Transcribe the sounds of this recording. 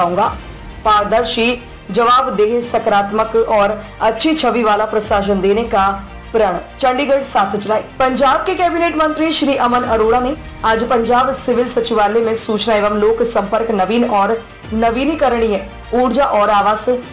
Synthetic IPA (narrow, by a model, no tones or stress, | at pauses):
aːũːŋɡaː | paːɾd̪əɾʃiː | d͡ʒəʋaːbd̪eːɦesəkɾaːt̪məkɔːɾətːʃʰit͡ʃʰəʋiʋaːlapɾəʃaːʃ̬ənd̪eːneka | pɾəɳ̃t͡ʃəɳɖiɡəɖsaːt̪ʰt͡ʃɾaːiːpəɲd͡ʒaːb̚kekɛːbineːʈmə̃nt̪ɾiʃɾiːʔəmənəɾoːɽaːne | əd͡ʒpəɲd͡ʒaːbsɪʋɪlsəːt͡ʃɪʋaːlemẽsuːt͡ʃnaːɪʋəmloːksə̃mpəɾknəʋiːnɔːɾ | nəʋiːnikəɾɽ̃iɦɛː | uːɾd͡ʒaʔɔːɾaːʋaːs